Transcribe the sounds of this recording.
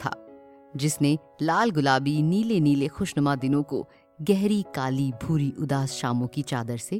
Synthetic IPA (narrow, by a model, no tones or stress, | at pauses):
t̪ʰa̰ː | d͡ʒɪsne | laːlɡʊlaːbiniːleniːlexʊːʃnɐmad̪ɪnõko̰ | ɡɛɦɾikaːlibʱuːɾiʔʊd̪aːsʃaːmõkit͡ʃaːd̪əɾse